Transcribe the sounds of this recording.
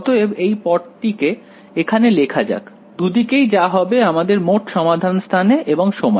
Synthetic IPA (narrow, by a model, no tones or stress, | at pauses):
t̪oeejpɔɖʈike | ekʰanelekʰad͡ʑa̰k | d̪ud̪ikejd͡ʑaɦɔbeamad̪eɾmoʈʃɔmad̪ʱanst̪ʰaneʔeboŋʃomɔ